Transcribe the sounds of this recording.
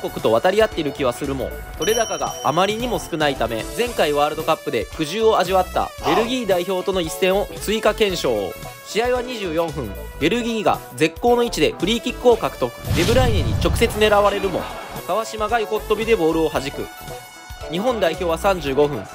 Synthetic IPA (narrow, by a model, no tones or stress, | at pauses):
ko̞kɯ̟t̪oβ̞at̪aɾʲiat̪ːe̞iɾɯ̟kʲiβ̞asɨɾɯ̟mo̞̰ | so̞ɾe̞d̪akaɡa̰ːmaɾʲiɲ̟imo̞sɨ̥kɯ̟nait̪ame̞d͡zẽ̞ŋkaiβaːɾɯd̪o̞kapːɯ̟d̪e̞kɯ̟ʑɨːo̞aʑiβat̪ːa̰be̞ɾɯ̟ɡʲiːd̪aiço̞ːt̪o̞no̞isːẽ̞ɰ̃o̞t͡sɨikakẽ̞ɰ̃ɕo̞̰ːɕiaiβaɲ̟iʑɨːjõ̞ɰ̃ɸɯ̟̃ŋ | be̞ɾɯ̟ɡʲiːɡa̰d͡ze̞kːo̞ːno̞it͡ɕid̪e̞ɸɯ̟ɾʲiːkʲikːɯo̞kakɯ̟̥t̪o̞kɯ̟̥be̞bɯ̟ɾaineɲ̟it͡ɕo̞kɯ̟̥se̞t͡sɨne̞ɾaβaɾe̞ɾɯ̟mo̞̰kaβ̞aɕimaɡajiko̞t̪ːo̞bʲid̪e̞bo̞ːɾɯ̟o̞ɦaʑikɯ̟̰ | ɲ̟iɦõ̞nd̪aiço̞ːβasãɲ̟d͡ʑɨːɡo̞ɸɯ̟̃ŋ